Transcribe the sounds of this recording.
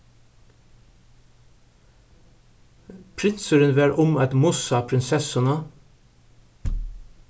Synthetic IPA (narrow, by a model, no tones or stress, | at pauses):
pʰɾɪnsəɾənʋæːɾʔʊmɑt̪mʊsɑːpʰɾɪnsɛsənə